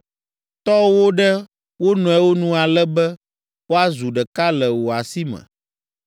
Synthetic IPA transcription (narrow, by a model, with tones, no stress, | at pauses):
t̪ɔ˦wo˦ɖɛ˦ | wo˦nɔ̃˨ɛ˦wo˦nũ˦a˨lɛ˦bɛ˦ | wo˦a˦zu˨ɖɛ˨ka˦lɛ˨wo˨a˨si˦mɛ̰̃˨